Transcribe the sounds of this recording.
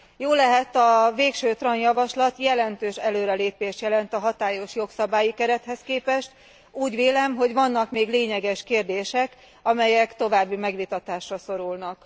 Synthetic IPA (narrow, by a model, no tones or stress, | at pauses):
joːlɛɦɛt̪ɒveːkʃøːt̪rɒnjɒvɒʃlɒt̪jɛlɛnt̪øːʃɛløːɾɛleːpeːʃt̪jɛlɛnt̪ɒɦɒt̪aːjo̞ʃjo̞ksɒbaːjikɛɾɛt̪hɛskeːpɛʃt̪ | uːɟʋeːlɛmɦo̞ɟvɒnːɒkmeːɡleːɲɛɡɛʃkeːrd̪eːʃɛk | ɒmɛjɛkt̪o̞vaːbːimɛɡʋit̪ɒt̪aːʃrɒso̞ɾulnɒk